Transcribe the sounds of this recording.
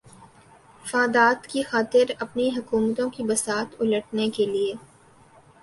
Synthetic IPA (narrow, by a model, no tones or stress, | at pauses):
fãːd̪aːt̪kixaːt̪ɪɾɐpniɦɐkuːmət̪õkibɐsaːt̪ʊləʈnekelieː